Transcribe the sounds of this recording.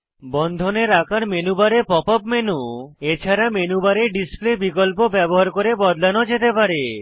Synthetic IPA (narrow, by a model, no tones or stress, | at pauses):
bɔnd̪ʱoneɾakaɾmenubaɾepɔpɔpmenuet͡ɕʰaɾamenubaɾeɖisplebikolp̬obɛboɦaɾkoɾebɔd̪lanod͡ʑet̪epaɾe